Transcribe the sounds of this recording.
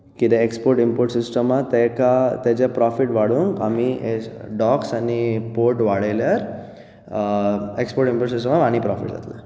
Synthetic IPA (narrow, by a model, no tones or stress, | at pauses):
kid̪eekspoɾʈimpoɾʈsisʈəmat̪ekat̪ed͡ʑapɾɔfiʈʋaɽuŋka̰mieɖɔksanipoɾʈʋaɽejljaɾ | ekspoɾʈimpoɾʈsisʈəmaʋañipɾɔfḭʈza̰t̪lḛ